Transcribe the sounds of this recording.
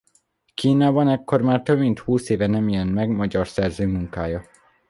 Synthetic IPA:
kiːnaːbɒnɛkːo̞rmaːrt̪øbmint̪huːseːvɛnɛmijɛnmɛɡmɒɟɒrsɛrzøːmuŋkaːjɒ

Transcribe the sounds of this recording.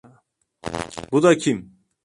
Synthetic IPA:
bud̪acʰim

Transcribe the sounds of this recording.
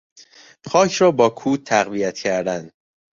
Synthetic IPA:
pʰɒːcʰɾɒːbɒːkʰuːt̪ʰːæɣvijæt̪ʰcʰæɾd̪ænd̪̥

